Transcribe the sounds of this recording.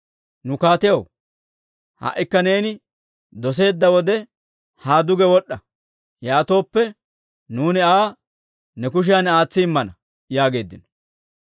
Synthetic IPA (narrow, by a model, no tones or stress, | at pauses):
nʊkaːt̪ɪjɐw | ha̰ʔɪkːɐne̞ːnɪ | d̪ɔs̬e̞ːd̪ːɐwɔd̪ɛ | haːd̪ʊɡɛwɔɗːɐ | jaːt̪o̞ːpːɛ | nuːnɪaː | nɛkʊʃ̬ɪjanaːt͡sːɪɪmːɐnɐ | jaːɡe̞ːd̪ːɪnɔ̥